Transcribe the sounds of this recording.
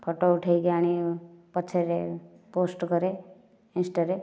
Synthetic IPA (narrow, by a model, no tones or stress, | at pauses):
pʰoʈouʈʰeiɡeaɽ̃ipət͡ʃʰːeɾe | poːsʈkəɾe | ɪ̃nsʈaɾe